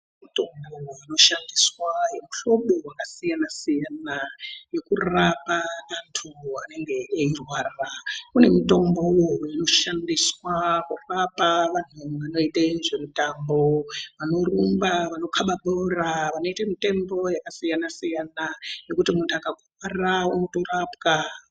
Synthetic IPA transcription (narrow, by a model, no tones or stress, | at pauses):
mito̞mbooano̞ʃandiswaje̞muɬo̞ɓowakasijanasijanaje̞kurapanantʰuane̞ŋɡe̞eirwaːrakune̞mito̞mbowoino̞ʃandiswakurapaʋan̤uamano̞iteʐemutambo̞ʋano̞rumbaʋano̞kʰaɓaɓoraʋano̞itamite̞mbo̞jakasijanasijanaje̞kutimuntʰuakakurwarawunotorapka